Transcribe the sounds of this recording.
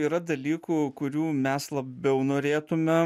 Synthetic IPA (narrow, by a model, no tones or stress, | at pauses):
iːɾɐd̪ɐlʲiːkuːkʊɾʲuːmʲɛslˠɐbʲɛʊnoːɾʲeːt̪ʊmʲɛ